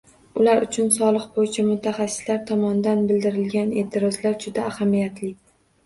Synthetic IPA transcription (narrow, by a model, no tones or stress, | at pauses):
ʊlaɾʊt͡ʃʰʊnsɒlˠɨqbojɪt͡ʃʰamʊt̪ʰaχasːɪ̥slaɾt̪ʰɒmɒnd̪anbɪld̪ɪɾɪlɡʲane̞t̪ʰɪɾɒzlaɾd͡ʒʊd̪aːhamijat̪ʰlɪ